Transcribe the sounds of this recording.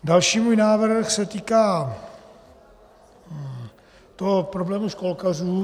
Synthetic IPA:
dalʃiːmuːjnaːvɾr̩xsɛt̪iːkaː | t̪oɦopɾo̞blɛːmuʃko̞lkaruː

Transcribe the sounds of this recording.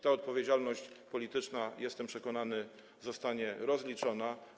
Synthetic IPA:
t̪aɔt̪̚pɔvʲjed͡ʑalnɔɕt͡ɕpɔlʲit̪ɘt͡ʂnajɛst̪ɛmpʂɛkɔnanɘ | zɔst̪aɲɛɾɔzlʲit͡ʂɔna

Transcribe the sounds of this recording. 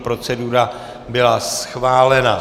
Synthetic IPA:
pɾo̞t͡sɛduɾa | bɪlasxvaːlɛna

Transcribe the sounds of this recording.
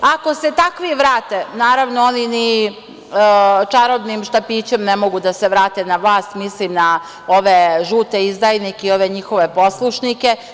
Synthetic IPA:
ako̞se̞t̪akʋiʋɾaːt̪enaːɾaʋnoonini | t͡ʃaɾod̪nimʃt̪apiːt͡ɕe̞mnemo̞ɡud̪ase̞ʋɾaːt̪enaʋlˠaːst̪mislimna | o̞ʋe̞ʒuːt̪e̞izd̪ajnikeio̞ʋe̞ɲixo̞ʋe̞po̞slˠuʃnike̞

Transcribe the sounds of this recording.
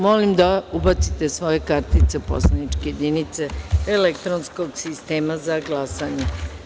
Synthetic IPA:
molimd̪aubat̪sit̪e̞sʋo̞je̞kaɾt̪it̪sepo̞̰slanit͡ʃkejed̪init̪se̞elekt̪ɾonsko̞ɡsist̪e̞ːmazaɡlasaɲe

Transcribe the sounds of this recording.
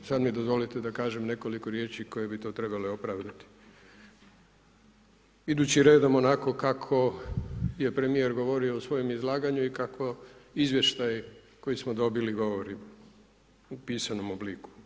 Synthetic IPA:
sad̪mid̪o̞zʋo̞lit̪ed̪akaːʒe̞mne̞ko̞likoɾje̞ːt͡ʃiko̞je̞bit̪o̞ːt̪ɾe̞bale̞o̞pɾaːʋd̪at̪i̥ | id̪ut͡ɕiɾe̞ːd̪omonako̞kakʰo̞ | je̞pɾe̞mije̞ɾɡo̞ʋo̞ɾioːsʋo̞jo̞mizlˠaːɡaɲuikakʋoizʋje̞ʃt̪aj | ko̞jismod̪o̞biliɡo̞ʋoɾim | upiːsano̞mobliːku̥

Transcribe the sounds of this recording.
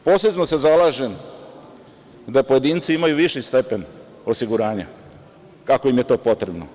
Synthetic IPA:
po̞sezmosezalˠaːʒe̞m | d̪apo̞je̞d̪iːnt̪siimajuʋiʃist̪e̞pe̞n | o̞siɡuɾaːɲa̰ | kakoimje̞t̪o̞ːpo̞t̪ɾe̞bno̰

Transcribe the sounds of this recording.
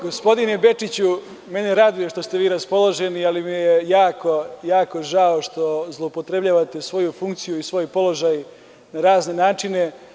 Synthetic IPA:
ɡo̞spo̞d̪inebe̞t͡ʂit͡ɕu | me̞nejeɾaːd̪ujoʃt̪o̞st̪e̞ʋiːɾaspo̞lˠo̞ʒenialimijejaːko̞jaːko̞ʒaoʃt̪o̞zlˠo̞upo̞t̪ɾe̞bʎaːʋat̪e̞sʋo̞jufuŋkt̪sijuisʋo̞jpo̞lo̞ʒaːj | naɾaːzne̞naːt͡ʂine̞

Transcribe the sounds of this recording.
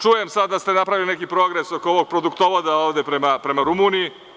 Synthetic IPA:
t͡ʃuje̞msad̪ːast̪e̞napɾaʋiline̞kipɾo̞ɡɾe̞sokooʋo̞ɡ̚pɾo̞d̪ukt̪o̞ʋod̪aoːʋd̪e̞pɾe̞mapɾe̞maɾumunii

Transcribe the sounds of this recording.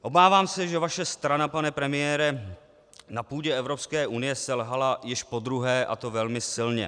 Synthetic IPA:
ʔo̞baːvaːmsɛʒɛvaʃɛst̪ɾanapanɛpɾɛmɪjɛːɾɛ | napuːɟɛɛvɾo̞pskɛːʔunɪjɛsɛlɦalajɪʃpo̞d̪ɾuɦɛːʔa̰t̪ovɛlmɪsɪlɲɛ̰

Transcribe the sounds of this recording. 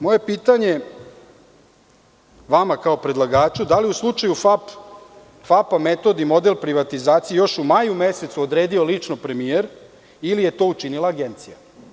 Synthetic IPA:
mo̞je̞piːt̪aɲe | ʋamakaopɾed̪lˠaɡaːt͡ʃud̪alijuslˠut͡ʂajufap | fapame̞t̪o̞d̪imo̞d̪e̞lpɾiʋat̪izaːt̪sijejo̞ʃumajume̞se̞t̪suod̪ɾeːd̪io̞lit͡ʂnopɾe̞mijeɾ | ilije̞t̪o̞ːut͡ʃinilˠaːɡent̪sija̰

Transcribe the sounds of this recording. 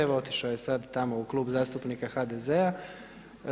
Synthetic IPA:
eʋo̞t̪iʃaoje̞sad̪t̪amo̞uklˠuːbzaːst̪upnikaxad̪ezea

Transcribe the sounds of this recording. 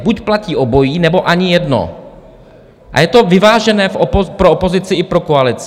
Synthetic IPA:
bucplaciːʔobo̞jiːnɛbo̞ʔaɲɪjɛdno̰ | ʔa̰jɛt̪o̞vɪvaːʒɛnɛːfʔopopɾoopo̞zɪt͡sɪʔɪpɾokoalɪt͡s

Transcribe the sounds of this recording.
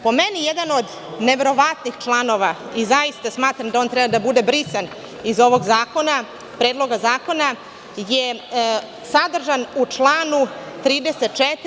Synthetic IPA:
po̞menijed̪ano̞d̪ | neʋe̞ɾo̞ʋat̪nixt͡ʃlˠano̞ʋaizajist̪asmaːt̪ɾamd̪aont̪ɾɛbad̪abud̪e̞bɾisan | izo̞ʋo̞ɡzaːko̞na | pɾe̞ːd̪lˠo̞ɡazaːko̞na | je | sad̪r̩ʒanut͡ʂlˠaːnut̪ɾiːd̪eset̪̚t͡ʃet̪

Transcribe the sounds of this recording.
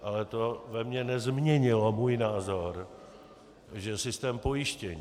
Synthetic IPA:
ʔalɛt̪o̞vɛmɲɛnɛzmɲɛɲɪlomuːjnaːzo̞ɾ | ʒɛsɪst̪ɛːmpo̞jɪʃcɛɲː

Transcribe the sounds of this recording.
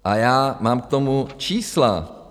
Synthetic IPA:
ʔajaːmaːmk̚t̪omut͡ʃiːsla̰

